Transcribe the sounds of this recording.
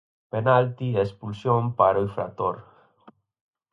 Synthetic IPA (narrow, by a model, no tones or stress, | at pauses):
penalt̪iespulsjõmpaɾoifɾa̰t̪oɾ